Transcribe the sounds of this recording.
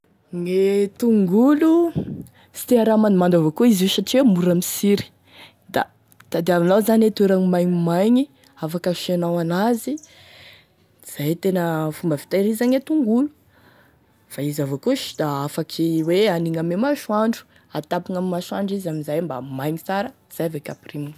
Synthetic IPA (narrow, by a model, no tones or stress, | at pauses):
ŋet̪uŋɡulu | si̥t̪iaɾamanmand̪avokuiziʃaʈ͡ʂiamuɾamisiɾi̥ | d̪a̰ | t̪ad̪eavanazanet̪eɾaŋimajɲimajɲi | afakəʃenawanazi | iz̥ajt̪enəfumbəfi̥t̪aɾizaɲat̪uŋɡulu̥ | faizavokuʃi̥d̪̥aafakʰiweaniŋamemaʃuaɳɖ͡ʐu̥ | at̪apiŋamimaʃaɳɖ͡ʐizamizajmba̰majɲit͡saɾəiz̥ajavekʲaprimu